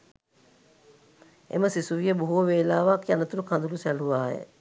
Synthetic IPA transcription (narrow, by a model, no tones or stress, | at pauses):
ḛməsisuʋijəbuɦuʋəʋeːlaːʋakijanət̪uɾukʰand̪ulusæluʋaːjə̰